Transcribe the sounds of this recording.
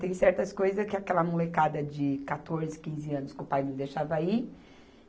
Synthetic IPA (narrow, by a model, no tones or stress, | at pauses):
t̪ẽj̃sɛɾt̪ɐskojzɐskɪakɛlɐmolekad̪ɐd͡ʒɪkat̪oɾzɪkĩzɪɐ̃nʊskɪʊpajnɐ̃w̃d̪ejʃavɐi